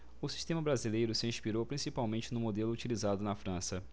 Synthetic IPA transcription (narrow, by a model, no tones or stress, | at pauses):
ʊsi̥ʃt̪ẽmɐbɾazilejɾʊsɪĩspiɾowpɾĩsipawmẽnt͡ʃɪnʊ̃mod̪elʊːt͡ʃilizad̪ʊnɐfɾɐ̃sɐ